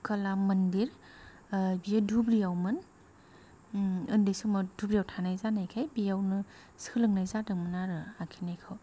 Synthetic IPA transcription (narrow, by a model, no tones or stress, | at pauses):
kalamɐndiɾ | bijadubɾijawmɯn | ɯndisumɔdubɾijawtʰanajzanajkʰajbijawnɯ | skʰɯlɯŋnajzadɯŋmɯnaɾɯakʰinajkʰaw